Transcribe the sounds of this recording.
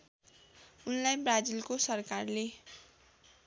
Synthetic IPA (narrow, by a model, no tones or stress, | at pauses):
unlajbrad͡zilkosʌrkarle